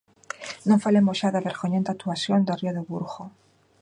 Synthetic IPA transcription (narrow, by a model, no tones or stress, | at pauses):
nõŋfalemoʃaðaβeɾxoɲẽnt̪at̪uasjond̪orioðoβuɾɣo